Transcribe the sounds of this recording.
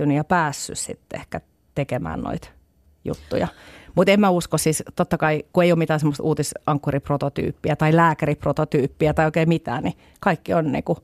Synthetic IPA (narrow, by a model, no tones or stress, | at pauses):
ynyjɑpæːsːy̰ssḭt̪ːḛhkæ | t̪ekemæ̰ːnno̰it̪ | jṵt̪ːṵjɑmut̪emmæuskossist̪ot̪ːɑkɑikueijoːmit̪æːsemːost̪uːt̪isɑŋkːuriprot̪ot̪y̰ːpːiæt̪ɑilæːkæriprot̪ot̪yːpːiæt̪ɑioikeimit̪æ̰ːni | kɑikːionnḭːku